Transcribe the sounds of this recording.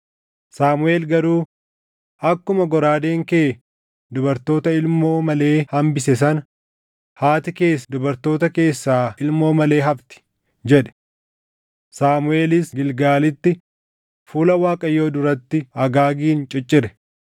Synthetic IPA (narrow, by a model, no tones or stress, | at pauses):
saːmʊe̞ːlɡɐɾuː | ɐkːʊmɐɡɔɾaːd̪e̞ːŋkeː | d̪ʊbɐɾt̪o̞ːt̪ɐɪlmo̞ːmɐle̞ːhɐmbɪsɛs̬ɐn | haːt̪ɪke̞ːs̬d̪ʊbɐɾt̪o̞ːt̪ɐke̞ːsːaːɪlmo̞ːmɐle̞ːɦɐbt̪ɪ̥ | d͡ʒɛᶑɛ̥ | saːmʊe̞ːlɪsɡɪlɡaːlɪt̪ːɪ | fuːlɐwaːkʼɐjːo̞ːd̪ʊɾɐt̪ːɪɐɡaːɡiːnt͡ʃʼɪt͡ʃʼːɪɾɛ̥